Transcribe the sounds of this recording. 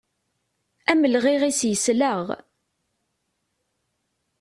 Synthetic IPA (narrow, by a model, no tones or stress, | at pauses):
æməlʁiʁisjəsləʁ